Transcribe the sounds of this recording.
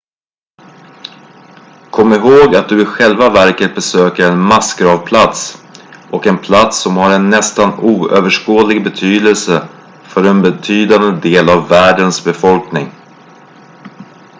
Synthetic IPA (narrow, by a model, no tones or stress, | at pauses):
kʰɔmːɪɦoːɡat̪̚d̪ɵɪɧɛlvavæɾkət̪̚bɛsøːkəɾɛnmasɡɾɑːvpʰlat̪sʔɔkɛnpʰlat̪sːɔmhaɾɛnːɛst̪anuːøːvəʂkoːd̪lɪɡbɛt̪ʰyːd̪əlsə | fœɾɛnbɛt̪ʰyːd̪and̪əd̪eːlavːæːɖənsbɛfɔlknɪŋ